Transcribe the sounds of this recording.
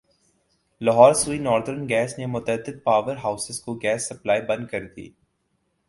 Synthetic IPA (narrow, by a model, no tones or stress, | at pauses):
lɐɦɔːɾsuːinɔːɾd̪əɾnɡɛːsnemʊt̪əd̪ːɪd̪̚paːʋəɾɦaːʊsɪzkoɡɛːsːɐplaːibɐ̃nd̪̚kɐɾd̪ḭː